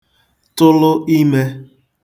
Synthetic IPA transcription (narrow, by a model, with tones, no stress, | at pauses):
tʊ˦lʊ˦ʔi˦me˦